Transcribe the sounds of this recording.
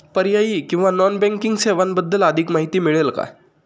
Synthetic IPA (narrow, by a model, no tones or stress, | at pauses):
pəɾjajiːkĩw̃ʋanɔnbɛ̃ŋkiŋɡseʋanbəd̪ːələd̪ʱikmaɦit̪iːmiɭelka̰